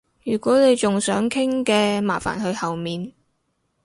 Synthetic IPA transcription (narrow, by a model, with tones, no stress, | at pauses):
jyː˨˩kʷɔː˨˥ne˨˧jt͡ʃʊ˨ŋsœː˨˥ŋkʰɪ˥ŋkɛː˧maː˨˩fa̰ː˨˩nhɵ˧ɥhɐ˨wmiː˨n